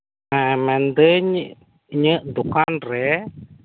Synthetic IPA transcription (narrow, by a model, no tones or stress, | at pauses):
mɛ̃mɛ̃nd̪əɲ | ɲəd̪ukanrɛ